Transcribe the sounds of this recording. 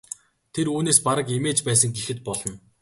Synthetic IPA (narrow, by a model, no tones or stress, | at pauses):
t̪ʰeruːneːspaɾə̆kemeːt͡ɕpæːsə̆ŋɡexɘ̆t̪̚pɔɮɞ̆n